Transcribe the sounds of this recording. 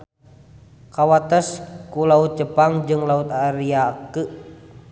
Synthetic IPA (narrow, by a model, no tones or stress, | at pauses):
kawat̪əskulaut̪̚d͡ʒəpaŋd͡ʒɨŋlaut̪aɾiakə